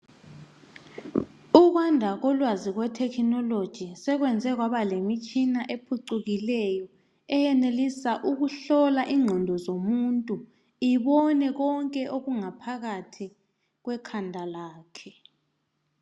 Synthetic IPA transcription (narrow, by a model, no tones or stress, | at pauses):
uɣ̬wandʱaɣɔlwaziɣwɛtʰɛkʰinɔlod̥ʒ̥ʱisɛɣwɛnd͡zʱɛɣ̬waβalemit͡ʃʼinaʔepʰuǀuɣilɛjɔ | ɛjɛnelisaʔuɣuɬɔlaʔiŋ͡ǃʱɔndʱɔzomuntʼu | iβɔnɛɣɔŋkʼɛʔoɣuŋapʰaɣatʰi | ɣwɛkʰandʱalaːkʰɛ